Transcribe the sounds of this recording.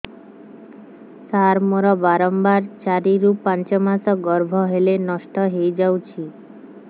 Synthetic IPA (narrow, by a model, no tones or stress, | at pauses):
saɾmoɾɔbaɾɔmbaɾt͡ʃaɾiɾupːant͡ʃɔmasɔɡɔɾbʱɔɦelenɔʃʈɔɦejd͡ʒawt͡ʃʰi